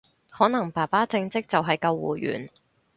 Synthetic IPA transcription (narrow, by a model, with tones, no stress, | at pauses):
hɔː˨˥nɐ˨˩ŋpaː˨˩paː˥t͡sɪ˧ŋt͡sɪ˥k̚t͡sɐ˨wɦɐ˨jkɐ˧wːṵː˨jy̰ː˨˩n